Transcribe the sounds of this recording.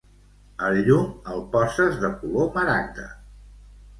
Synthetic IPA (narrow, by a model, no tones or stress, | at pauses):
əʎuməlˠpɔsəzðəkuloməɾaɡ̚d̪ə̰